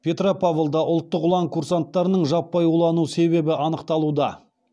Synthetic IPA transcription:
pʰʲe̞t̪ropʰavlˠd̪ɑʔʊlˠt̪ːəqʊlˠɑɴkʰuɾsant̪ːɑɾənəɴʒɑpːɑjolˠɑnuse̞βe̞bɪʔɑnəqt̪ɑlˠud̪ɑ

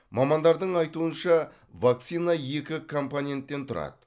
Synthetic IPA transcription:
mɑmɑnd̪ɑɾd̪əɴɑjt̪uənʃɑ | vak̪̚sijnɑje̞kʲɪkʰo̞mponʲe̞nt̪ːe̞nt̪ʰʊɾɑ̰d̪ə

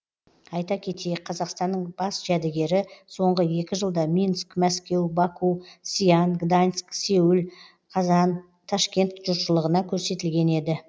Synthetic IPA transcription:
ɑjt̪ɑkʲʰe̞t̪eqʰɑzɑqst̪ɑnːəɴbɑsʒæd̪ɪɡʲe̞ɾɪso̞ɴʁəje̞kʲɪʒəlˠd̪ɑmʲinskmæskʲe̞wbɑkusijɑnɡd̪anskse̞wɪl | qʰɑzɑn | t̪ʰɑʃkʲe̞nt̪ʒ̥ʊɾʃəlˠəʁənɑkʲʰɵɾse̞t̪ɪlɡʲe̞ne̞d̪ɪ

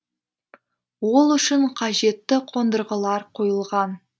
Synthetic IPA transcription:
wo̞lˠʏʃɪɴqʰɑʒe̞t̪ːɪqʰo̞nd̪əɾʁəlˠɑɾqʰojəlˠʁɑn

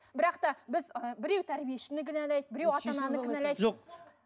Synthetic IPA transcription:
bɪɾɑqt̪ɑbɪzəbɪɾe̞wt̪ʰæɾbijeʃɪnɪkʲʰɪnælæjt̪̚bɪɾe̞wɑt̪ɑnɑnəɪnælæjt̪ʒoq

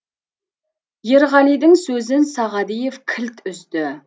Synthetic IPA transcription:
jeɾʁɑnid̪ɪŋsɵzɪnsɑʁɑd̪ijevkʲʰɪlt̪ʏzt̪ɪ

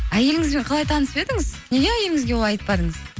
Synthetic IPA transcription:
æje̞lɪŋɪzbe̞ɴqʰɑlˠɑjt̪ʰɑnəspe̞ɾd̪ɪŋɪz̥ne̞ɡʲeæje̞lɪŋɪzɡʲeoɑjt̪əpːɑd̪əɴəz̥

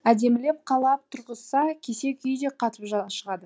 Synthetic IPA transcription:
æd̪e̞mɪle̞p̚qʰɑlˠɑp̚t̪ʰʊɾʁəssɑkʲʰe̞se̞kʲʏjd̪e̞qʰɑt̪əpʒʃəʁɑd̪ə

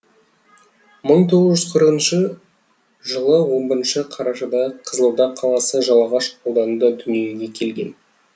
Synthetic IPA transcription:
məɴt̪ʰo̞ʁəzʒʏz̥qʰəɾəqənʃə | ʒəlˠəwo̞mbəɾənʃəqʰɑɾɑʃɑd̪ɑqʰəzəlˠd̪ɑqʰɑlˠɑsəʒɑlˠɑʁɑʃqʰolˠd̪ɑnud̪ɑd̪ʏnije̞ɡʲe̞kʲʰe̞lɡʲe̞̰n

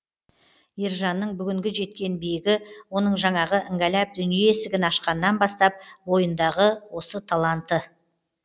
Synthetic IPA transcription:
iɾʒɑnːəɴbʏɡʲɪŋɡʲɪʒe̞t̪kʲe̞nbijɪɡʲɪwo̞nəɴʒɑɴɑʁəʔɪŋɡʲælæp̚d̪ʏnijeesɪɡʲɪnɑʃqɑnːɑnbɑst̪ɑp̚wo̞jənd̪ɑʁəwo̞sət̪ʰɑlˠɑnt̪ːə

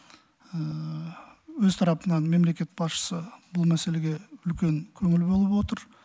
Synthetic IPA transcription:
ə | wɵzt̪ʰɑɾɑpənɑnme̞mle̞kʲe̞t̪̚bɑsʃə̥səbʊlˠmæse̞le̞ɡʲe̞ʏlkʲe̞ŋkʲʰɵŋɪlbo̞lˠəpwo̞t̪əɾ

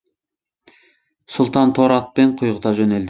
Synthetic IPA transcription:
sʊlˠt̪ɑnt̪ʰoɾɑt̪̚beɴqʰʊjʁəd̪ɑʒɵneld̪ɪ

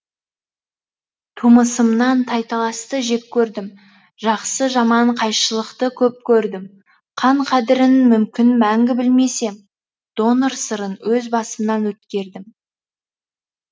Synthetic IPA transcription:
t̪ʰuməsəmnɑnt̪ʰɑjt̪ɑlˠɑst̪əʒe̞p̚kʲʰɵɾd̪ɪm | ʒɑqsəʒɑmɑɴqʰɑjʃəlˠəqt̪əkʲʰɵp̚kʲʰɵɾd̪ɪm | qʰɑɴqʰɑd̪ɪɾɪnmʏmkʲɪnmæŋɡʲɪbɪlme̞se̞m | d̪̥o̞nəɾsəɾənwɵzbɑsəmnɑnwɵt̪̚kʲe̞ɾd̪ɪm

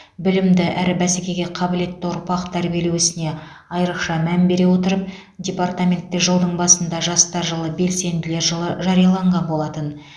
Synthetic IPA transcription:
bɪlɪmd̪ɪʔæɾɪbæsekʲe̞ɡʲe̞qʰɑbɪle̞t̪ːɪʊɾpɑqt̪ʰæɾbije̞lewɪsɪne̞ | ɑjɾəqʃɑmæmbe̞ɾe̞wot̪əɾəp̚ | d̪ʲe̞part̪amʲe̞nt̪ːɪʒəlˠd̪əɴbɑsənd̪ɑʒɑst̪ɑɾʒəlˠəbe̞lse̞nd̪ɪle̞ɾʒɑɾijɑlˠɑɴʁɑnbo̞lˠɑt̪ən

